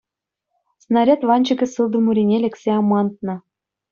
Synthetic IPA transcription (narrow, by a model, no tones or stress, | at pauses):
snɑɾʲæt̪vɑnʲt͡ɕɤ̆kʲɘ̆sɯlˠd̪ɤ̆muɾʲinʲelʲĕksʲeɑmɑnt̪̚nɤ̆